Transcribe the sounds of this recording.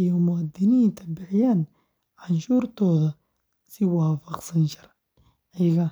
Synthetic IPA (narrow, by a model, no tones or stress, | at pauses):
jɔmʊad̪ɪniːnt̪ʰɐbɪʕjaːn | ʕanʃuːrt̪ʰɔːðɐ | sɪwɑːfɐqsɐnt͡ʃʰɐr | ʕɛɣɐ